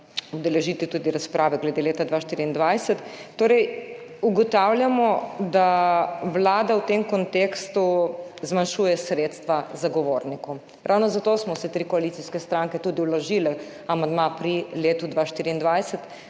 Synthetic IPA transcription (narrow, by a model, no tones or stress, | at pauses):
ɔd̪ɛlɛʒiːt̪it̪ud̪iɾaspɾʔaːʋɛɡlɛd̪eleːt̪ad̪ʋaʃt̪iːɾiːnd̪ʋajsɛt̪ːoːɾɛjuɡɔt̪awljamɔd̪aʋlaːd̪awt̪emkɔnt̪eːkst̪uzmanʃujɛsɾeːt̪st̪ʋazaɡɔʋoːɾnikɔm | ɾʔawnɔzat̪oːsmɔsɛt̪ɾikɔalit̪siskɛst̪ɾaŋkɛt̪uːd̪iwlɔʒiːlɛ | amand̪mapɾileːt̪ud̪ʋaːʃt̪iːɾiːnd̪ʋajsɛt̪